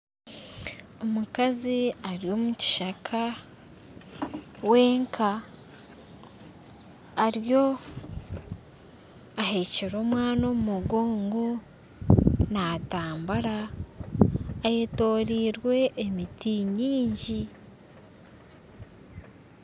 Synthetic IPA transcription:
o̞mukaziaɾijo̞ːmuci̥ʃakʰa | we̞ːŋkʰa | ɾjo̞ | aheceɾo̞ːmwaːnomumuɡoːŋɡo | nataːmbaɾa | jeto̞ːɾiːɾwe̞ʔːmitiɲiːɲɟi

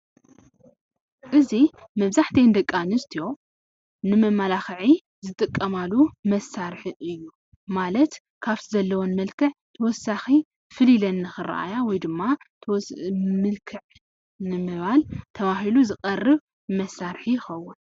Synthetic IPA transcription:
ʔɨzi | mɐβzaħt̪ʰɐjnd̪ɐkʼːanɨst̪ʰijo̞ | nɨmɐmalaxɨʕi | zɨt̪ʼɨkʼːɐmalumɐsːaɾħɨʔɨjːu | malɐt̪ | kʰaβt̪ʰizɐlːɐwonmɐlkʰɨʕt̪ʰɐwɔsːaxi | fɨlilɐnːɨxɨrɐ̰ʔa̰jawɔjd̪ɨmːat̪ʰɐwsmɨlkʰɨʕ | nɨmɨβalt̪ʰɐβaɦiluzɨkʼɐrɨβ | mɐsaɾħijɪxɐwːʊn

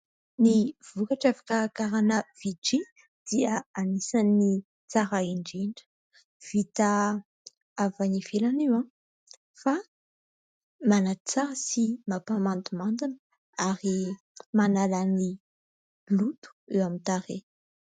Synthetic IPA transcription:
niv̥ukaʈ͡ʂafḁkəkaɾanəv̥iʈ͡ʂi | d̪̥iəanisanːi | t͡saɾaiɳɖ͡ʐiɳɖ͡ʐə̥ | v̥it̪a | avaɲiv̥elanewã | fa | manat͡saɾəsimapamant̪umand̪inə | aɾi | manalani | lut̪u̥ewamint̪aɾe

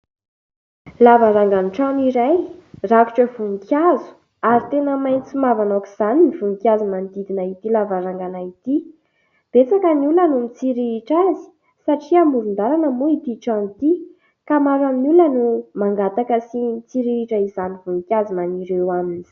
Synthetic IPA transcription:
lavaɾaŋɡanʈ͡ʂaniɾajraku̥ʈ͡ʂəvuŋkjazu̥ | aɾit̪enəmajnt͡simavanokiz̥aninivuŋikʲjazumand̪id̪inait̪ilavaɾaŋɡanait̪i | b̥et͡sakəniulənumit͡siɾiɾiʈ͡ʂazi̥ | saʈ͡ʂiamuɾund̪aɾanəmuit̪iʈ͡ʂanit̪i | kamaɾamulənumaŋɡat̪akəsimit͡siɾiiʈ͡ʂəizanivuŋkʲjazumaniɾewamini̥

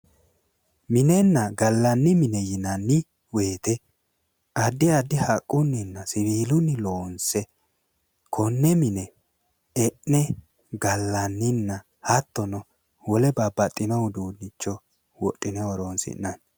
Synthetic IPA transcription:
mɪnɛnːɐɡɐlːɐnːɪmɪnɛjɪnɐnːɪ | we̞ːt̪ɛ | ɐd̪ːɪɐd̪ːɪhɐkʼːʊnːɪnːɐsɪβiːlʊnːɪloːnsɛ | kʰɔnːɛmɪnɛ | ɛʔnɛ | ɡɐlːɐnːɪnːɐ | hɐt̪ːɔnɔ | wɔlɛbɐbːɐt̪ʼːɪnɐwd̪uːd̪ɪt͡ʃːɔ | wɔʔʼːɪnɛwɔɾonsɪ̰nːɐn

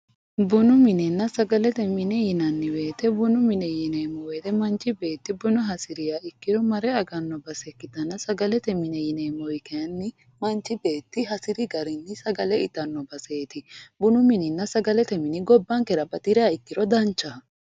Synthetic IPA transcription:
bʊnʊmɪnɛnːɐsɐɡɐlɛt̪ɛmɪnɛjɪnɐnːɪwe̞ːt̪ɛbʊnʊmɪnɛjɪneːmɔweːt̪ɛmɐnt͡ʃːɪbe̞ːt̪ːɪbʊnʊɦɐsɪɾɪjaɪkːɪɾɔmɐɾɛɐɡɐnːɔbɐsɛkːɪd̪ɐnːɐsɐɡɐlɛt̪ɛmɪnɛjɪneːmɔwɪkɛɐnːɪ | mɐnt͡ʃːɪbe̞ːt̪ːɪɦɐsɪɾɪɡɐɾɪnːɪsɐɡɐlɛɪt̪ːɐnːɔbɐseːt̪ɪbʊnʊmɪnɪnːɐsɐɡɐlɛt̪ɛmɪnɪɡɔbːɐŋkɛɾɐbɐt̪ʼɪɾɛaɪkːɪɾɔd̪ɐnt͡ʃːɐ

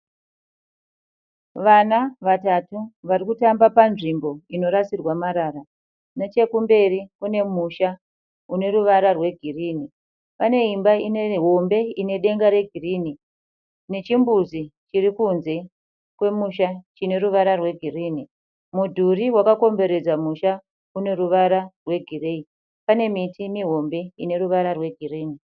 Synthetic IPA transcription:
ʋanaʋatatuʋarikutambapanʐimbo̞ino̞ɾasirwamaɾaɾa | net͡ʃe̞kumbe̞ɾikune̞muʃa | une̞ɾuʋaɾarwe̞ɡʱiriːni | pane̞ɦimbaine̞ɦo̞mbe̞ine̞ɗe̞ŋɡaɾe̞ɡʱiriːni | ne̞t͡ʃimbuzit͡ʃirikunze̞ | kwe̞muʃat͡ʃine̞ɾuʋaɾarwe̞ɡʱiriːni | mudʱuriwakako̞mbe̞ɾe̞d͡zamuʃa | une̞ruʋaɾarwe̞ɡʱire̞i | pane̞mitimiɦo̞mbe̞ine̞ɾuʋaɾarwe̞ɡʱiriːni

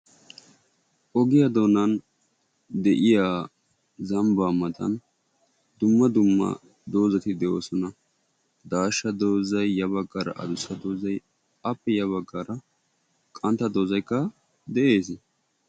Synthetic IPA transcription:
ʔɔɡɪjad̪o̞ːnɐn | d̪ɛʔɪjaː | zɐmbaːmɐt̪ɐ̰n | d̪ʊmːɐd̪ʊmːɐ̰ | d̪o̞ːzɐt̪ɪd̪ɛʔoːsɔnɐ | d̪aːʃːɐd̪oːzɐjːɐβɐɡːɐɾɐ̰ʔɐ̰d̪ʊsɐd̪o̞ːzɐj | ɐpːɛjɐβɐɡːɐɾɐ | kʼɐnt̪ːɐd̪o̞ːzɐjkːɐ | d̪ɛʔe̞ːs

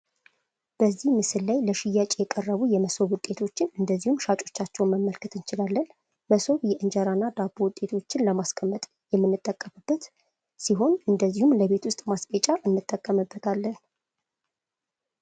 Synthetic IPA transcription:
b̥əzːihmɨsɨlːajləʃɪjːat͡ʃʼejɛkʼərːəβujɛməso̞βwʊt̪ʼːe̞t̪ʰo̞t͡ʃːɪnɨnd̪əzːihumʃat͡ʃʼo̞t͡ʃːat͡ʃːɛwnməmːəlkʰɨt̪ʰɨnt͡ʃɪlalːən | məso̞βjɛʔɨnd͡ʒəɾanːad̪abuwʊt̪ʼːe̞t̪ʰo̞t͡ʃːɪnləmaskʰəmːət̪ʼ | jɛmːɨnːɨt̪ʼːəkʼːəmɨbːət̪ | siɦo̞nɨnd̪əzːihumləβe̞t̪wʊst̪ʼmaskʼet͡ʃʼːaʔɨnːɨt̪ʼːəkʼːəmɨbːət̪ʰalːən

